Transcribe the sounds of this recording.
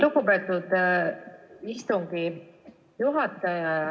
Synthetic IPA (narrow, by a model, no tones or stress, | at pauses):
luɡupet̪ːˑud̪̥ | ist̪uŋɡi | juɦɑt̪ːˑejɑ